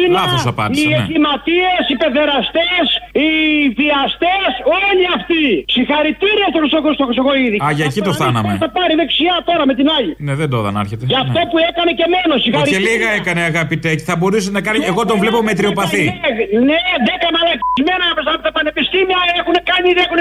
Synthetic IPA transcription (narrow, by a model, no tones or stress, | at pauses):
inɐosɐpɐ̰ɾieklimɐt̪iesipe̞ðe̞ɾɐst̪esiðiɐst̪esoʎiɐft̪isixɐɾit̪iɾiest̪oxɾist̪oxost̪oxɾisoɣoiðiɐʝɐcit̪osθɐnɐ̰mθɐpɐɾiðe̞ksiɐt̪o̞ɾɐme̞t̪inɐʎineðend̪oðɐ̰nɐ̰ɾçet̪eʝɐftt̪o̞puekɐnece̞menosixɐɾieliɣɐekɐneɐɣɐpit̪eci̥θɐbo̞ɾus̬enɐkanieɣot̪ovlipomet̪ɾiopɐθineðekɐmɐlɐkzmenɐɐpesɐɐpot̪ɐpɐnepist̪imiɐexunekɐɲiðexune